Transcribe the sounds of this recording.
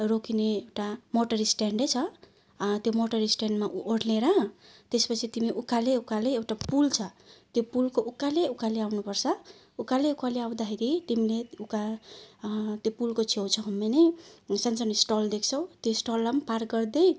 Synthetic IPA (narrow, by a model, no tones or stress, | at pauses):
rokineewʈamoʈʌɾisʈeɳɖet͡sʰʌ | t̪jomoʈʌɾisʈeɳɖmaʔʔoɽleɾʌt̪espʌt͡sʰit̪imiʔukaleukaleewʈapult͡sʰʌt̪jopulkoukaleukaleawnupʌrt͡sʰʌ | ukaleukaleaw̃d̪akʰeɾit̪imileuka | t̪jopulkot͡sʰewt͡sʰʌɦʌmenesʌnsʌnisʈold̪ekʰt͡sʰʌw̃t̪josʈolamparɡʌrd̪ej